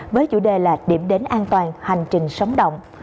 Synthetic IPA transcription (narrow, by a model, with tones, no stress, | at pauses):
vəː˨˦jt͡ɕṵ˧˩ɗe˨˩laː˨˩ɗi˧˩əmɗe˨˦nʔaː˧nt̪waː˨˩nha˨˩jŋ̟t͡ɕï˨˩ŋ̟sə˨˦wŋ͡mɗə̰˧˨wŋ͡m